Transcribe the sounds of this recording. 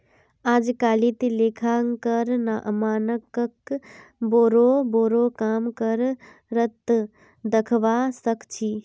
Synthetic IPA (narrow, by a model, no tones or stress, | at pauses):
aːd͡ʒkaːlit̪ileːkʰaːŋkəɾnaʔəmaːnəkəkboːɾoboːɾokaːmkəɾ | ɾət̪ | d̪əkʰʋaːsəkt͡ʃʰiː